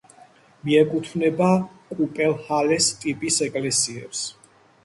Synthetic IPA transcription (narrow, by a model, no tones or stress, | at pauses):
miɛkʼut̪ʰvnɛba | kʼupʼɛlˠhalɛst̪ʼipʼisɛkʼlɛsiɛ̰ps